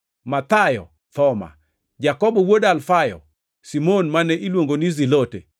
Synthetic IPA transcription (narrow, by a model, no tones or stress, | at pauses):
mat̪ajɔ̰ | t̪ɔma̰ | d͡ʒakɔbɔwodalfajɔ̰ | simonmanɛʔilwoŋɡonizilotḛ